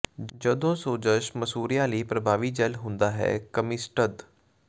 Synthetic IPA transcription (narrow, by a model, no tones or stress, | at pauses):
d͡ʒəd̪õːsoːd͡ʒəʃməsuːɾijãːliːpɾəbʱaːʋiːd͡ʒɛlɦʊ̃nd̪aːɦɛ̰ːkəmɪsʈəd̪